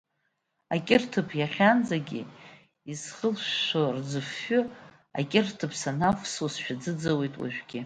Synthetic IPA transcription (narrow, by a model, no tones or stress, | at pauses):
akʲʼɪrtʰɨpʰjaχʲand͡zaɡʲḭ | izχəlʃord͡zɨfːʊ | a̰kʼɪrtʰɨpʰsanafsosʃᶣad͡zɨd͡zawe̞jtʼwa̰ʒᶣɡʲɪ